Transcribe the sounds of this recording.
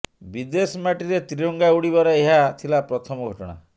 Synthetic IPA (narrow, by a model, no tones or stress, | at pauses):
bid̪esɔmaʈiɾet̪ɾiɾɔŋɡauɽibɔɾeeɦat̪ʰilapɾɔt̪ʰɔmɔɡʱɔʈɔɽ̃a̰